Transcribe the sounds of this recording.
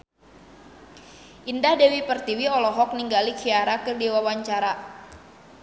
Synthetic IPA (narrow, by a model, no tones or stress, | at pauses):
ʔindahdɛwipərt̪iwiɔlɔɦɔk̚niŋɡalikʰiaɾakədiwawaɲt͡ʃaɾa